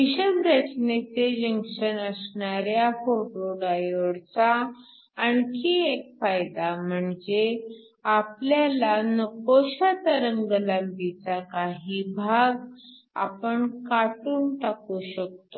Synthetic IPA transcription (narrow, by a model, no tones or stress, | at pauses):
ʋiɕəbɾət͡ɕnet͡sed͡ʑəŋkɕənəsɳaɾjafoʈoɖajoɽt͡saː | ɳkiːek̚fajd̪am̤əɳd͡ze | apljalanəkoɕat̪əɾəŋɡəlambit͡sakaɦiːbʱaɡ | a̰pəɳkaʈuːnʈakuɕək̚t̪o